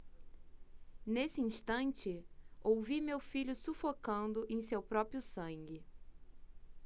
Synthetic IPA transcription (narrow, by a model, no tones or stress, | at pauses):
nesɪĩʃt̪ɐ̃nt͡ʃɪowvimewfiʎʊsufokɐ̃nd̪ʊʔẽj̃sewpɾɔpɾiʊsɐ̃ŋɡɪ